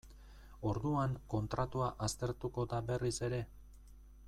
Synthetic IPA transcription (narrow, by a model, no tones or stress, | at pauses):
o̞ɾðuaŋko̞nt̪ɾat̪uaʔast̪e̞ɾt̪uko̞d̪abe̞rise̞ɾe̞